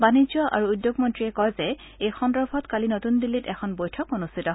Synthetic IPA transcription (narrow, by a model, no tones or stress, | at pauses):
banizjɔʔa̰ɹuːdjoɡmɔntɹiɛkɔjzɛ | ejxɔndɹɔbʱɔtkalinotundilːitɛkʰɔnbojtʰɔkonustʰitɔ